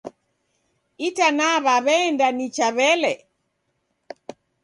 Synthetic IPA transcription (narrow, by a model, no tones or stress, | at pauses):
itanaβaβɛndanit͡ʃaβɛlɛ